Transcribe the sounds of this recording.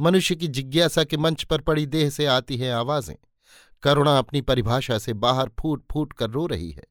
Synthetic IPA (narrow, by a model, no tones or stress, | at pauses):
mɐnʊʃjək̬id͡ʒɪɡjaːsakimɐ̃ɲt͡ʃpɐɾpɐɽid̪eːɦseaːt̪iɦɛ̃aːʋaːzḛ̃ː | kɐːɾoːɽ̃aɐpnipɐɾɪbʱaːʃasebaːɦəɾpʰuːʈ̚pʰuːʈkɐɾːoːɾɐ̰ɦḭɦɛ̰ː